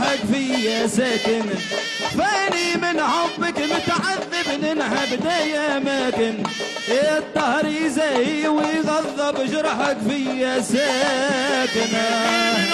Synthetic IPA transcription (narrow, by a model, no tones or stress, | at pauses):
akfijasaːkɪn | faʔɪnimɪnʕomːɪkmʊt̪ʕaðːɪbnɪnʕabɪd̪aːjaʔamaːkɪn | ʔet̪ˤːɑhɾizaːhiwɪɣɑðˤːɑbʒɑɾˤɑħɑkfijːasa | kɪna